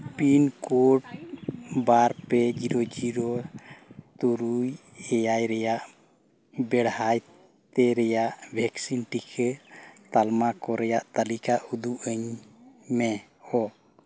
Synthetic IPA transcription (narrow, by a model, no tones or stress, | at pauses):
pinkɔʈ̚ | baɾpɛd͡ʒiɾɔd͡ʒiɾɔ | t̪uɾuj | ɛjajɾɛjaʔ | bɛɽhaj | t̪ɛɾɛjaʔbʱɛksinʈikʰɛt̪almakɔɾɛjaʔt̪alikaʔud̪uʔəɲmɛ | ɔ